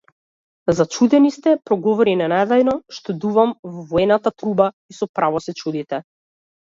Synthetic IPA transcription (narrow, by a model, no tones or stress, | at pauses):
zat͡ʃud̪ɛnist̪ɛpɾɔɡɔvɔɾinɛnajd̪ajnɔʃt̪ɛd̪uvamvɔvɔɛnat̪at̪ɾuba | isɔpɾavɔsɛt͡ʃud̪it̪ɛ